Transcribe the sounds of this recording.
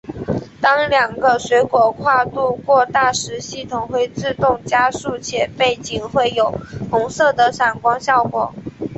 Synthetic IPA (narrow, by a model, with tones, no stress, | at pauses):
t̪ɑ˥ŋljɑ˨˩ŋɡə˦ɕɥɛ˧˥kwɔ˨˩kʰwa˥˧t̪u˥˧kwɔ˥˧t̪a˥˩ʂɻ̩˧˥ɕi˥˩t̪ʰʊ˨˩ŋxwe˥˧ɪt͡sɹ̩˥˧t̪ʊ˥˧ŋt͡ɕja˥ʂu˥˩t͡ɕʰjɛ˨˩pe˥˩ɪt͡ɕi˨˩ŋxwe˥˩ɪjo˨˩ʊxʊ˧˥ŋsɤ˥˩d̪ə˩ʂa˨˩nkwɑ˥ŋɕjɑ˥˩ʊkwɔ̰˨˩˦